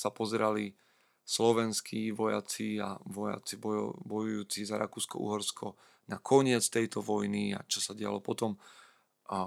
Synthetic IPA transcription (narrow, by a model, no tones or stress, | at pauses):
sapɔzɛɾali | slɔʋɛnskʰiʋɔja̰t͡sia̰ʋɔja̰t͡sibɔbɔjujuːt͡sizaɾʔa̰kuːskɔ̰ʔṵɦɔɾskʰɔ | nakʰɔɲɪɛt͡st̪ɛjt̪ɔʋɔjnia̰t͡ʃɔsaɟɛɪa̰lɔpɔt̪ɔm